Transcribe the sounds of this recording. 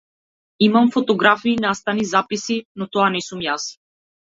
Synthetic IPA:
imamfɔt̪ɔɡɾafinast̪anizapisinɔt̪ɔanɛsumjas

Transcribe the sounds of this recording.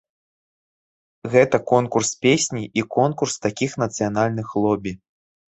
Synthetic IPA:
ɣɛt̪ɐkɔnkurspʲesʲnʲiʔikɔnkurst̪akʲixnɐt̪sɨjanalʲnɨxlˠɔbʲi

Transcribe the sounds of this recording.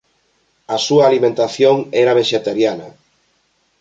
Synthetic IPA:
asuaːlimẽnt̪aθjoŋɛɾaβ̞eʃet̪aɾjanɐ

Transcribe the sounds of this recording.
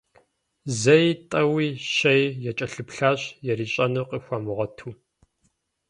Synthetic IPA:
zɐjtʼɐwiːɕɐjjɛt͡ʃʼɐɬɨpɬaːɕjɛɾiːɕʼɐnɨqʼixʷamɨʁɐtʰuː

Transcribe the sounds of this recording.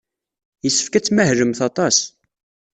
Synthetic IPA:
jəsːə̥fkæt͡sːmæhɾəmθɑt̪ˤɑs

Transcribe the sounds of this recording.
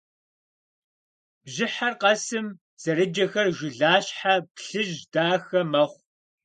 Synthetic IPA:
bʑɪħarqɐsɨm | z̥ɐɾɨd͡ʒɐxɐrʒʷʊɮaːɕħapɬɨʒdaːxɐmɐχʷ

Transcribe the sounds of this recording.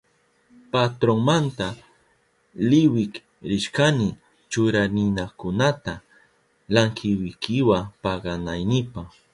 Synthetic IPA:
pat̪ɾoŋmant̪a | lɪwɪk | ɾɪʃkanɪ | t͡ʃʊɾanɪnakʊnat̪a | laŋkʰɪwɪkɪwapɑɢɑnajnɪpaχ

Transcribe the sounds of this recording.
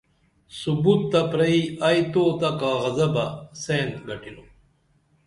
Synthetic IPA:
subut̪ːɐpɾɐiɐjt̪oːt̪ɐkaɣɐzɐbaseːnt̪ɡɐʈilo

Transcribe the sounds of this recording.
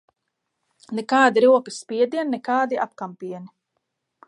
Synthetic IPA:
nɛkaːd̪iɾuɔkispʲiɛd̪iɛnnɛkaːd̪iʔap̚kampiɛni

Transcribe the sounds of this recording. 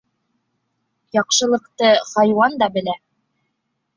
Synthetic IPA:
jɑqʃɤ̆lˠɤ̆qt̪ɤχɑjwɑnd̪ɑbɘ̆læ

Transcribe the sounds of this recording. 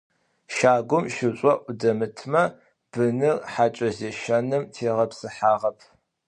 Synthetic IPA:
ʃaːɡʷʊmʃɪɕʼɔʔʷʊdɐmɨtʰmɐ | b̥ɨnɨrħaːt͡ʃʼɐzeːʃɐnɨmtʰeːʁɐpsɨħaːʁɐpʰ

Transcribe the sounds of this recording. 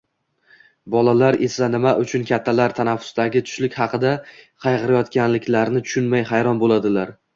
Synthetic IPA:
bɒlalaɾe̞sanɪmaʔʊt͡ʃʰʊnkʲat̪ʰːalaɾt̪ʰanafːʊ̥st̪aɡʲɪt̪ʰʊ̥ʃlɪkʲhɑqʰɨd̪aqʰɑjqɨɾajɒt̪kʲanlɪkʲlaɾnɪt̪ʰʊ̥ʃʊnmajhajɾɒnbolad̪ɪlaɾ

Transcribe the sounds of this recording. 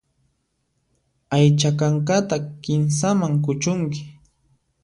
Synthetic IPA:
ajt͡ʃakaŋkat̪akɪnsamaŋk̬ʊt͡ʃʊŋkɪ̥

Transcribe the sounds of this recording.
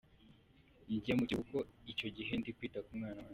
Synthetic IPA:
ɲɟiamuciβukoico̞ɟiɦendikwiːtakumŋaːnawa

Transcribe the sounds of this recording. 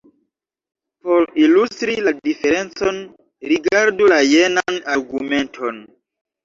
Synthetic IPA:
po̞ɾilustɾiladife̞ɾe̞nt͡so̞n | ɾiɡaɾdulajenanaɾɡume̞ntʰo̞n

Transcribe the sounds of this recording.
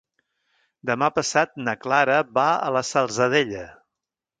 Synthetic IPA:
d̪əmapəsat̪̚nəklaɾəbaə̰ləsəlˠzəð̞eʎə

